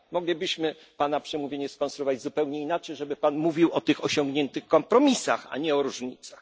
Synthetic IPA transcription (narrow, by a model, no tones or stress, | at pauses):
mɔɡlʲibɘɕmɘ | panapʂɛmuvʲeɲɛskɔnsɾuɔvad͡ʑzupɛwɲɛinat͡ʂɛjʐɛbɘpanmuvʲiwɔt̪ɘxɔɕɔŋɡɲɛnt̪ɘxkɔmpɾɔmʲisaxa̰ɲɛɔɾuʐɲit̪sax